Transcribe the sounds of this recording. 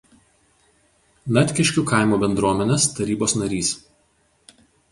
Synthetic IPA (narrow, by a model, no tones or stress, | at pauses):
nɐt̪ʲkʲɪʃʲkʲuːˑkɑˑɪmuːbʲɛnd̪ɾuɔmʲɛnʲest̪ɐɾʲiːboːsnɐɾʲiːs